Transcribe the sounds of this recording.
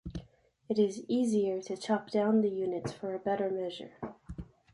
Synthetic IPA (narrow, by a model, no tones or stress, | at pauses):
ɨɾɪziziə˞ɾɨt͡ʃʰɑp̚d̥ãʊ̃nðɨjʉnɨtsfə˞ɨbɛɾə˞mɛʒə̰˞